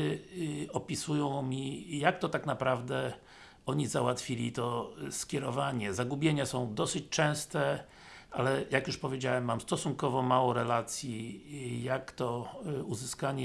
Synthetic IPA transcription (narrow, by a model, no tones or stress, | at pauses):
ɔpʲisujɔ̃w̃mʲijak̚t̪ɔt̪aknapɾavd̪ɛ | ɔɲizawat̪fʲilʲit̪ɔskʲjɛɾɔvaɲɛzaɡubʲjeɲasɔ̃w̃d̪ɔsɘt͡ɕt͡ʂɛ̃w̃st̪ɛ | ʔa̰lɛjakjuʂpɔvʲjed͡ʑawɛmːamst̪ɔsuŋkɔvɔmawɔɾɛlat̪sʲjijakt̪ɔuzɘskaɲɛ